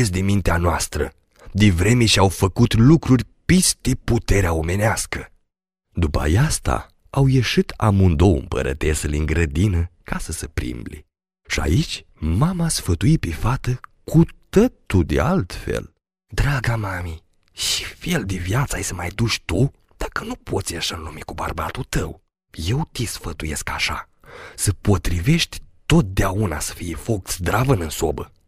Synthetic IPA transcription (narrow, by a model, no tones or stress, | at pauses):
esd̪inmint̪eanoast̪ɾə̰ | d̪ivɾe̞meʃiawfəkut̪lukɾurʲpisd̪eput̪e̞ɾeaome̞neaskə | d̪upəa̰jast̪a̰ | awjeʃit̪amund̪owɨ̰mpə̰ɾʔə̰t̪esəliŋɡɾəd̪inəkasəsəpɾḭmblḭ | ʃia̰it͡ʃʲ | mamaasfət̪uit̪̚pefat̪əkʰut̪ət̪ud̪ḛalt̪fḛl | d̪ɾaɡamami | ʃi̥feld̪evjat̪saajsəmajd̪uʃʲt̪u | d̪̥akənupʰo̞t̪sʲjaʃaɨnlumikuba̰rbat̪ut̪əw | je̞wt̪isfət̪uje̞skaʃa̰ | səpo̞t̪ɾive̞ʃt̪ʲt̪o̞t̪̚d̪eauna̰sə̥fijefo̞k̚t̪sʲd̪ɾavənɨnso̞bə